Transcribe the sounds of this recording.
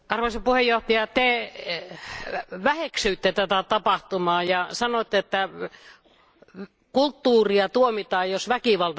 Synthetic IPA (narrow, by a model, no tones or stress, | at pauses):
ɑrʋɑsɑpuhejjoht̪ɑjɑt̪e | ʋæheksyːt̪ːet̪æt̪æt̪ɑpɑht̪umɑːjɑsɑnot̪ːeet̪ːæ | kult̪ːuːriɑt̪uomit̪ɑːjjosʋækiʋɑlt̪